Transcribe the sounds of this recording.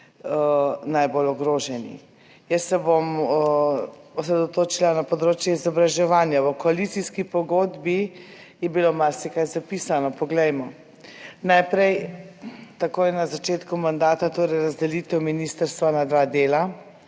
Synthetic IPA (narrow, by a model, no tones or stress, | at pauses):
najbolɔɡɾoːʒɛnḭ | jəsːɛbom | ɔsɾɛd̪ot̪oːt͡ʃilanapɔd̪ɾoːt͡ʃjɛizɔbɾaʒɛʋaːnjawɔkɔalit̪siskipɔɡoːd̪bi | jɛbilomaɾsɛkajzapiːsanɔpɔɡlɛjmɔ | najpɾɛj | t̪akoːjɛnazat͡ʃeːt̪kumand̪aːt̪at̪oːɾɛjɾazd̪ɛlit̪ɛwminist̪əɾst̪ʋanad̪ʋad̪eːla